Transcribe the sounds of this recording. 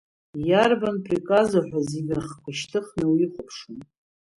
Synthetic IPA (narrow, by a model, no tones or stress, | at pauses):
jarbanpʰrikʼazaħʷᶣaziɡʲaχkʷʰaʃtʰɨχnɨwiχʷʊpʰʂun